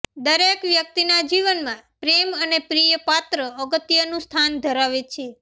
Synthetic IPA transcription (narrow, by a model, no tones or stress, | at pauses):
d̪əɾekʋjək̚t̪inad͡ʒiʋənmãpɾemənepɾijəpat̪ɾəːɡət̪ijənũst̪ʰand̪ʱəɾaʋet͡ʃʰe